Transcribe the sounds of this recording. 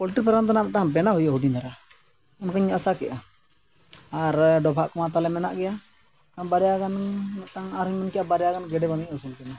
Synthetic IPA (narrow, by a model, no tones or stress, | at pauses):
pɔlʈɾipaɾamt̪ɔnamɛʔ̚ʈaŋbɛnaɦujaɦuɖinaɾa | unkaɲəsakɛ̰ʔa | aɾɖɔbʱaʔkɔmat̪alɛmɛnaʔɡɛja | kaŋbaɾɛjaɡanmɛʈaŋaɾuɲmənkɛjabaɾɛjaɡanɡɛɖɛbamiʔɔsulkɛna